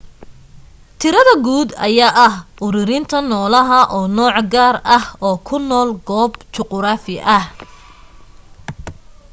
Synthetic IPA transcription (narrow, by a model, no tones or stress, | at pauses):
t̪ʰɪɾɐðɐɡuːd̪ɐ̰jaːʔɐhʊɾɪɾɪnt̪ʰɐnɔːlɐɦɐʔɔːnɔːʕɡaːrɐhɔːkʰʊnɔːlɡɔːbt͡ʃɔqɾaːfɪʔɐh